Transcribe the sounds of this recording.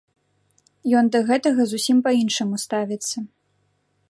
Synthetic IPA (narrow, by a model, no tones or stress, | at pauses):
jɔnd̪ɐɣɛt̪ɐɣɐzusʲimpɐinʂɨmust̪avʲɛt̪sːɐ